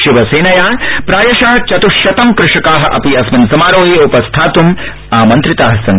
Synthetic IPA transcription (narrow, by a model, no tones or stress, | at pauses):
ʃiʋɐseːnɐjaːpɾaːjɐʃaːt͡ʃɐt̪uʃjɐt̪ɐmkɾɪʂɐkaːɦɐ̆ʔɐ̰piɐsmɐnsɐmaːɾoːɦiupɐst̪ʰaːt̪um | aːmɐnt̪ɾit̪aːɦɐ̆sɐn